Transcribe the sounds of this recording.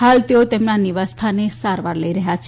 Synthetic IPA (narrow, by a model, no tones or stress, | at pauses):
halt̪eot̪emnaniʋast̪ʰanesaɾʋaɾləiɾəɦjat͡ʃʰ